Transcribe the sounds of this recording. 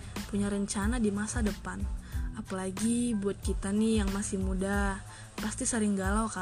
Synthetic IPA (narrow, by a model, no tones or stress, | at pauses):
puɲaɾəɲt͡ʃanadimasadəpanʔapalaɡibuat̪̚kit̪anijaŋmasɪmuda | past̪isəɾɪŋɡalawka